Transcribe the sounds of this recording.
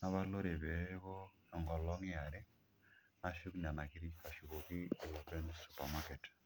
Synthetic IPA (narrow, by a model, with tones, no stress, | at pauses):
naβa˦lo˦ɾe˨βeβo | e˨ŋɡɔ˨lɔ˦ŋ˦a˨ɾe˦ | ma˨ʃu˦kna˨ma˨ki˦ɾiβa˨ʃu˨koki˦˨lope˦nsupamake˨t